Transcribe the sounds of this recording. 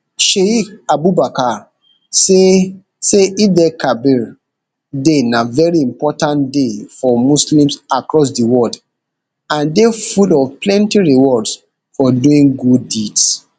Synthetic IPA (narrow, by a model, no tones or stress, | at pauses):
ʃeikabubaka | se | seidɛkʰabiɹ | denavɛɹiĩmpɔtãntdefɔmuslĩmsakɹɔs̬diwɔld | ãndefulɔvplɛ̃ntiɹiwɔds | fɔduĩŋɡudːids